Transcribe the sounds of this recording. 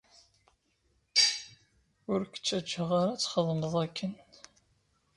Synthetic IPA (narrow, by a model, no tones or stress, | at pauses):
ʊɾkʷə̥t͡sːæd͡ʒːəʁaɾat͡sːχəðˤməðˤækʰːən